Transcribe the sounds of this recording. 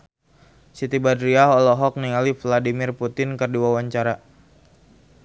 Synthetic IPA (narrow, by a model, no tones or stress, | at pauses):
sit̪ibadɾiaɦɔlɔɦɔk̚nialifladimɪrput̪ɪnkərduawaɲt͡ʃaɾa